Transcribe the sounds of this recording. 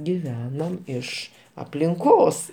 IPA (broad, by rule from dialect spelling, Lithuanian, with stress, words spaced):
ɡʲɪˈʋʲæːnoːm ˈɪʃ ɐpʲlʲɪŋˈkoːs